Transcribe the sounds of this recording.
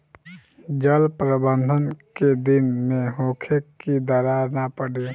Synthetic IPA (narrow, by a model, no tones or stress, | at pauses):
d͡ʒəlpɾəbə̃nd̪ʱənked̪ɪnmẽɦõːkʰekid̪əɾaːɾnapəɽe